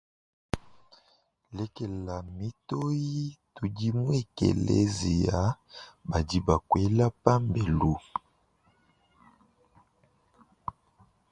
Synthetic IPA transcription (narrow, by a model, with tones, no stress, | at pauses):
lɛ˦ke˨la˨mi˦to˦ji˦tu˨ɡi˦mwe˦kḛ˨lḛ˦zi˨ja˨˦ba˨di˦ba˨kwe˦la˦pa˦mbe˨lu˨